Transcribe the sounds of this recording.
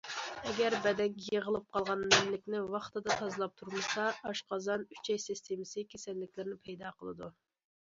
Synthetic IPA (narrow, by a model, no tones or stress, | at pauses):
ɛɡʲæɾbɛd̪ɛkʲjeʁəlˠɨp̚qʰɑlˠʁɑnmɛmlɪkʲnɪwɑχt̪ʰɨd̪ɑt̪ʰɑzɨlˠɑp̚t̪ʰuɾmɨsɑɑʃqʰɑzɑny̥t͡ʃʰɛjsist̪ʰemɪsɨkʲʰesɛlːɪkʲlɪɾɪnɪpʰɛjd̪ɑqʰəlˠɨd̪u